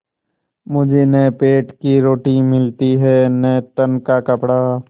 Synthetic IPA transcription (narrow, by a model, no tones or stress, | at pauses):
mʊd͡ʒʱenəpeːʈkiɾoːʈĩmɪlt̪iɦɛːnət̪ənkakɐpɽaː